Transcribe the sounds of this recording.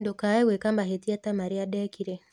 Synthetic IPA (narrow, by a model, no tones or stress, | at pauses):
ndokaewekambaɦetiatamaɾiaɗɛkiɾe